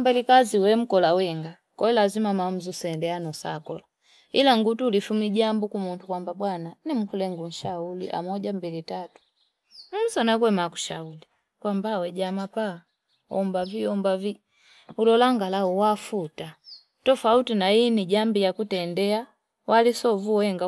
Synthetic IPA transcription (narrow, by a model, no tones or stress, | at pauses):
mbɛlikaziwɛm̩kɔlawɛŋɡa | kɔɛlazimamam̩zusɛndɛanɔsa̰kɔla | ilaŋɡutuːlifumiɟambukumuntukwambabwananim̩kulɛŋɡun̩ʃaulḭʔa̰mɔɟambilitatu̥ | m̩sanakwɛmaku̥ʃauli | kwambawɛɟamapa | ɔ̰mbaviɔmbavi | ulɔlaŋɡalaɔwafuta | tɔfautinainiɟambijakutɛndɛa | walisɔvuwɛŋɡa